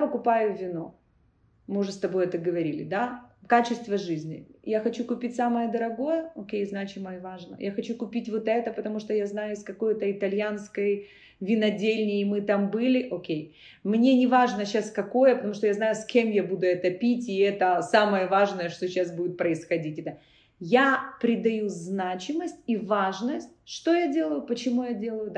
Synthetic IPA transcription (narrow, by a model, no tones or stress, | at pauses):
jpəkʊpajʊvʲɪno̞ | mɨʊʐɨst̪ɐbo̞jɛt̪əɡəvɐɾʲilʲɪ̰d̪akat͡ɕɪst̪vəʐɨzʲnʲɪ̰jaxɐt͡ɕukʊpʲitʲsaməjəd̪əɾɐɡo̞jəokʲejznat͡ɕɪməvaʐnə̰jaxɐt͡ɕukʊpʲitʲvot̪ɛt̪əpət̪ɐmuʂt̪ojaznajʊɪskɐko̞jt̪əɪt̪ɐlʲjanskəj | vʲɪnɐdʲelʲnʲɪːmɨt̪ambɨlʲɪʔokʲej | mnʲe̞nʲɪvaʐnəɕːaskɐko̞jəpət̪ɐmuʂt̪ojaznajʊskʲe̞mjabud̪ʊɛt̪əpʲitʲɪɛt̪əsaməjəvaʐnəjəʂt̪oɕːasbudɪt̪̚pɾəɪsxɐdʲitʲɛt̪ə | japɾʲɪd̪ɐjuznat͡ɕɪməsʲtʲivaʐnəsʲtʲʂt̪o̞jadʲe̞lˠəjʊpət͡ɕɪmujadʲe̞lˠəjʊd̪